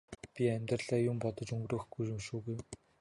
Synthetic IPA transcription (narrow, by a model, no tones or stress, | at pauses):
pʲiæmʲt̪rə̆ɮæːjʊmpɔt̪ɞ̆t͡ɕɵŋɡroːxɡujɵmʃuːɣuj